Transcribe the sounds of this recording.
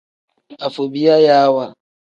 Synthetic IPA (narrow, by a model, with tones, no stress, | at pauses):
a˨fo˨bi˦a˦ja˦a˦wa˨